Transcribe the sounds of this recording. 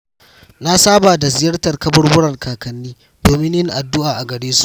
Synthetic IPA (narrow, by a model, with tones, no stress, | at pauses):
na˦saː˦baː˨da˨zɪ˨jɐ˦rtɐ˨rkɐ˦bɐ˦rwʊ˦ɽɐ˨rkaː˨kɐ˨nːiː˦ | doː˨mɪ˦ɲjɪ˦ŋʔa˨dːʊ˦ʔaː˨ʔa˨ɡɐ˨ɽeː˦su̥˦ʔ